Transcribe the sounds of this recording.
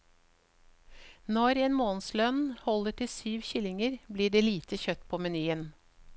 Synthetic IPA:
nɔɾeːnmoːn̩slœnhɔləʈʰɪsyːʋçɪlɪŋəɾbliːɖeːliːt̪ʰəçœt̪pʰoːmɛnyːən

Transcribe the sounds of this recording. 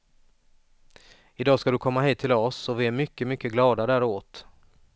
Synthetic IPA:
ɪd̪ɑːskad̪ɵkʰɔmːaɦiːt̪ʰːɪlɔsɔvɪæɾmʏkːəmʏkːəɡlɑːd̪ad̪æːɾoːt̪

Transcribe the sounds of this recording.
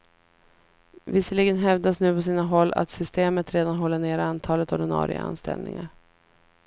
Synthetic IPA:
vɪsəɭiːɡənɦɛvd̪asnʉ̟ːpʰɔsiːnaɦɔlːa̰t̪sʏst̪eːmət̪ɾeːd̪anɦɔlːəɳeːɾant̪ʰɑːlət̪ɔɖɪnɑ̰ːɾʔɪ̰ɡa̰a̰nst̪ɛ̰lnɪ̰ŋaɾ

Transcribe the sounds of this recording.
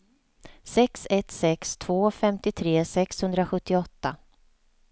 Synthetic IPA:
sɛksɛt̪sɛkst̪ʰv̥oːfɛmt̪ɪt̪ʰɾeːsɛkshɵnd̪ɾaɧɵt̪ːɪɔt̪ːa

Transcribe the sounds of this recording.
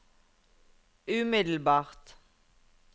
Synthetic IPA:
ʉːmɪd̪l̩bɑːʁt̪

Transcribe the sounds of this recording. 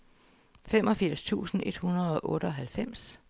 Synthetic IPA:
fem̰ɒ̽fiɐ̰st͡sʰṵːsn̩ʔe̝d̥hunɐð̞̩ˠɒ̽ʔɔ̽ːɾ̥əɒ̽ɦælfem̰s

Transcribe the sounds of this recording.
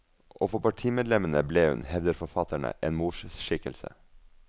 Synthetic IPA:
ʔoːfɔpɑʈʰiːmɛːd̪lɛmənəbleːhʉ̰nhɛʋd̪əɾfɔfɑt̪æɳə̰ʔeːnmuːʃsʃɪkəlsə̰

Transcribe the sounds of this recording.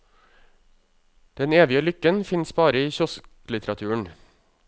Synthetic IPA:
d̪̥ɛneːʋɪəlʏkənfɪnsbɑːɾəiːçɔsk | lɪt̪ʰəɾɑt̪ʰʉːəɳ

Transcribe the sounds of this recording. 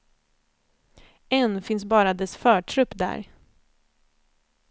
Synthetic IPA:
ɛnfɪnsbɑːɾad̪ɛsfœːʈʰɾɵpːd̪æ̰ːɾ

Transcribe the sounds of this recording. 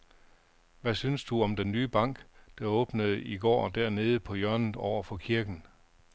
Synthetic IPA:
ʋæsynsd̥uɒ̽md̥enːyːb̥ɑ̈ŋ̰ɡ̥d̥ɑ̈ɔ̽ːb̥nəð̞̩ˠiɡ̥ɒ̰ːd̥æɐ̰ne̝ːð̞̩ˠəpʰɒ̽jœɐnð̩ˠɒʊ̰ɐfɒ̽kʰiɐɡ̥n̩

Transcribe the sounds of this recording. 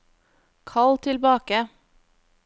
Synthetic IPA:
kʰɑlt̪ʰɪlbɑːkə

